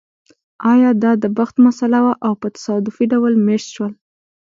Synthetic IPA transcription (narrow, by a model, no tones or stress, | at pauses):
ɑjɑd̪ɑd̪əbaxt̪masalawaʔawpət̪ḁsɑd̪ʊfiɖawəlmeʃt̪ʃwəl